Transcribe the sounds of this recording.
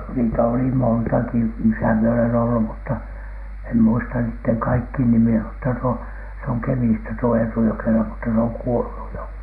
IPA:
niːtæ oli montɑki misæ mie olen olːu mutːɑ em muistɑ niːtːeŋ kɑikːiːn nimiæ mutːɑ tuo se oŋ kemistæ tuo eːtu jokelɑ mutːɑ se oŋ kuolu jo

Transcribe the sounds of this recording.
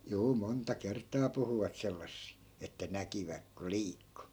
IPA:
juː montɑ kertˑɑː puhuʋɑt selːɑsːi etːæ nækiʋæk ko liːkːu

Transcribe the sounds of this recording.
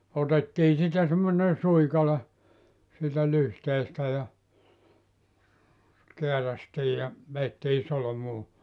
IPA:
otetːiː siːtæ semːonen̞ suikɑle siːtæ lyhteːstæ jɑ keæræstiː jɑ ʋeːtːiː solomuː

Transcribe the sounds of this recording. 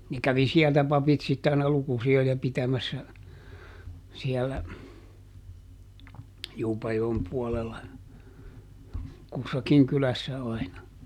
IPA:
ne kæʋi siɛltæ pɑpit sitːe ɑinɑ lukusiojɑ pitæmæsːæ siɛlːæ juːpɑjoem puolelːɑ kusːɑkiŋ kylæsːæ ɑinɑ

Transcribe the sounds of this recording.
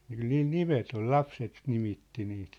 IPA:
ky̆l niːl nimet ol lɑpset nimitːi niːt

